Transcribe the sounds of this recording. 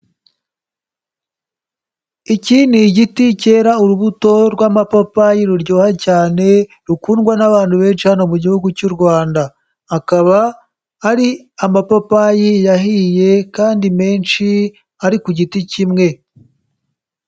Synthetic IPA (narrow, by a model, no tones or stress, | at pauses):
iciːniɟitice̞ːɾauɾuβuto̞ɾɡwaːmapopajiɾuɾɟo̞ːhacaːne̞ | ɾukuːnɡwanaβaːnhuβe̞ːnʃihano̞muɟihuɡucuɾɡwaːndaː | kaβaː | ɾi | amapopajijaɦije̞kaːndime̞ːnʃi | aɾikuɟiticimŋe̞